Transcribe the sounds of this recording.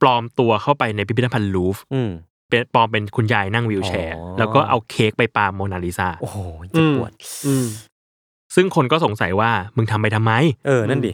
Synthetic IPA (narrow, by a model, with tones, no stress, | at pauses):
plɔː˧mt̪u˧ɐkʰa˥˩wpa˧jna˧jpʰi˦pi˥t̪ʰːa˧pʰa˧nluː˦˥fɯ˧˩ | pe˧nplɔː˧mpe˧nkʰu˧njaː˧jna˥˩ŋwi˧wt͡ɕʰɛː˧lɛː˦˥wkɔː˥˩ʔa̰˧wkʰeː˦˥k̚pa˧jpaː˧mːoː˧naː˧liː˦˥saː˧˩ʔo˨hːu˨˩ət̪̚ʔɯː˧ | sɯ˥˩ŋkʰo˧nkɔː˥˩so˨˩˦ŋsa˨˩˦jwaː˥˩mɯ˧ŋt̪ʰa˧mpa˧jt̪ʰa˧mːa˦˥jʔɤː˧na˥˩˨diː˧˩